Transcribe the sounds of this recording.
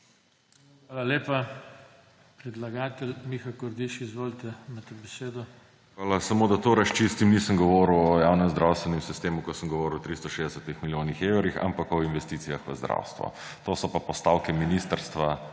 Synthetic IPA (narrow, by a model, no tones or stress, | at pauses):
xʋaːlaleːpa | pɾɛd̪laɡaːt̪ɛlmixakɔɾd̪iʃiːzʋoːlt̪ɛmat̪ɛbɛseːd̪ɔ | xʋaːlasamoːd̪at̪oːɾast͡ʃist̪imnisəmɡɔʋɔɾuwɔjawnɛmzd̪ɾawst̪ʋɛnɛmsist̪eːmukɔsəmɡɔʋɔːɾuwɔt̪ɾist̪ɔʃeːzd̪ɛsɛt̪ixmiljoːnixewɾixa̰mpakɔinʋɛst̪iːt̪sijaxʋəzd̪ɾa̰wst̪ʋɔ̰ | t̪oːsɔpapɔst̪aːwkɛminist̪əɾst̪ʋa